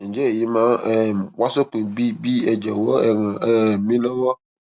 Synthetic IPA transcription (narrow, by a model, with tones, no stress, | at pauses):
ɲ̩˨d͡ʒɛ˦˨ji˦mã˦ɛ˨wa˦so˦kĩ˨bi˦bi˦ɛ˨d͡ʒɛ˨wɔ˦ɛ˨ŋã˨ɛ˦˨mĩ˦lɔ˦wɔ˦